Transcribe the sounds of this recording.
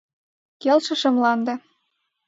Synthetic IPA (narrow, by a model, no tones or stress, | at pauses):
kelʃɤ̆ʃə̆mlɑnd̪ɤ̆